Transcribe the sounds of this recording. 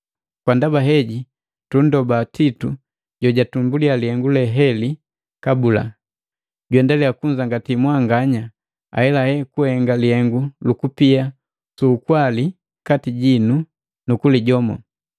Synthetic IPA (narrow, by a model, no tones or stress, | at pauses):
kwandabaɦɛɟi | tundɔbatitu | ɟɔɟatumbulialihɛŋɡulɛɦɛli | kabula̰ | ɟwɛndalɛakuɲd͡ʒaŋɡatimwaŋɡaɲa | a̰hɛlahɛkuhɛŋɡalihɛŋɡulukupia | suːkwali | katiɟinu | nukuliɟɔmɔ̰